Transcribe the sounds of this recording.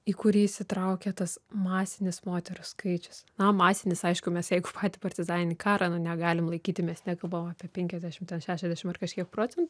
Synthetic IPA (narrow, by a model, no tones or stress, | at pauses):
iːkʊɾʲiːsʲɪt̪ɾɐʊkʲɛt̪ɐsmɑːsʲɪnʲɪsmoːt̪ʲɛɾʊskɐɪt͡ʃʲʊ̥snɐmɑːsʲɪnʲɪsɐɪʃkʊmʲɛsjɛɪɡʊpʰɑːt̪ʲɪpɐrʲt̪ʲɪzɑːnʲɪnʲikɑːɾɑnʊnʲɛɡɑːlʲɪmlˠɐɪkʲiːt̪ʲɪmʲɛsnʲɛkɐlˠbɐʋomɑːpʲiɛpʲɛŋʲkʲɛzʲd̪ʲæːʃʲɪmtʲɛnʃʲæːʃʲɛzʲd̪ʲæʃʲɪmɐrkɐʃʲkʲiɛk̚pɾoːt͡sʲɛnt̪ʊ